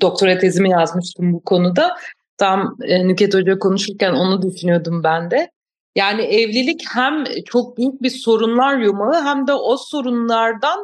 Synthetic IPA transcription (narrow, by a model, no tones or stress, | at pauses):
d̪̥o̞k̚t̪ʰo̞ɾat̪ʰezimijazmɯʃt̪ʰɯmbukʰo̞nud̪a | t̪ʰamɛnycɛt̪o̞d͡ʒakʰo̞nuʃuɾcæno̞nud̪eʃynijo̞d̪umbænd̪ɛ | jaːniɛvlʲilʲichæmt͡ʃʰo̞k̚byjyc̚biso̞ɾunlˠaɾjomalˠɯɦæmd̪ɛʔoso̞ɾunlˠaɾd̪an